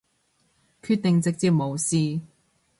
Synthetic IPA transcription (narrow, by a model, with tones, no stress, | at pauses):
kʰyː˧t̪̚t̪ɪ˨ŋt͡sɪ˨k̚t͡siː˧˥p̚mo˨˧wsiː˧